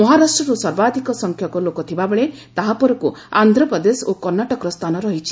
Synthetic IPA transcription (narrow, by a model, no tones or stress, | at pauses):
mɔɦaɾasʈɾɔɾusɔɾbad̪ʱikɔsɔŋkʰjɔkɔlokɔt̪ʰibabeɭet̪aɦapɔɾɔkuand̪ʱɾɔpɔd̪esokɔɾnaʈɔkɔɾɔst̪ʰanɔɾɔɦit͡ʃʰi̥